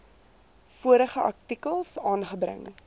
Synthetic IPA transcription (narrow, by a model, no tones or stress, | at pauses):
fuəɾəχəʔɐk̚tikəlˠsɑːnχəbɾə̰ŋ